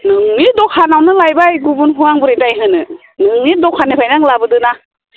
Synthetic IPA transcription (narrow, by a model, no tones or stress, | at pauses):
nɯŋnidɔkʰanawnɯlajbajɡubunɦuaŋbɯɾedajɦɯnɯ | nɯŋnidɔkʰanipʰajnaŋlabɯdɯna